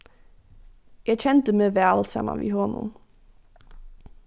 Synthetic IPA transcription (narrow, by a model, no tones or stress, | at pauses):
jæɪçʰɛnt̪əmeːʋæːlsɛ̰nɑ̰nʋḭhoːnṵː